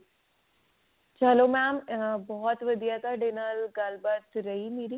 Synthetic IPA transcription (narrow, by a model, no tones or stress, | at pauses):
t͡ɕɐlomɛ̃ːmbɔːɔt̪ʋɐd̪ʱijat̪aɖenəlɡaːlbət̪ɾɐɦimiːɾi